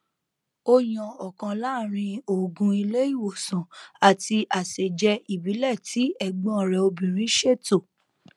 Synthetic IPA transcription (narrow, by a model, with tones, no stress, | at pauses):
o˧jɔ̃˨ɔ˨kã˨˧la˦˨ɾ̃ĩ˧o˨ɡũ˧i˧le˦i˦˨wo˨sã˨a˨ti˧ʔa˨se˨d͡ʒɛ˧i˨bi˨˦lɛ˦˨tʰi˨˦ɛ˦˨ɡ͡bɔ̃˦˨ɾɛ˨o˧bĩ˨ɾ̃ĩ˨˦ʃe˦˨to˦˨